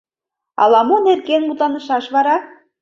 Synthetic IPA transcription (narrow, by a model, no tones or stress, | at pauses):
ɑ̰lɑmonerɣenmut̪lɑnə̆ʃɑʃβɑɾɑ